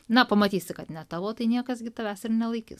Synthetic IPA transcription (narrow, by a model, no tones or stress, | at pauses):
nɐpɐmɐt̪ʲiːsʲɪkɐt̪nʲɛt̪ɑːʋoːt̪ɐɪnʲiɛkɐsɡʲɪt̪ɐʋʲæːsɪɾnʲɛlˠɐɪkʲɪ̰s